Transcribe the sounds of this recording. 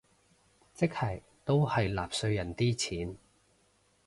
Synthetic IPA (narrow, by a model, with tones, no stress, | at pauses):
t͡sɪ˥k̚hɐ˨˩j | t̪o˥whɐ˨jla̰ː˨p̚sɵ˧ɥjɐ˨˩nt̪iː˥t͡sʰiː˨˥n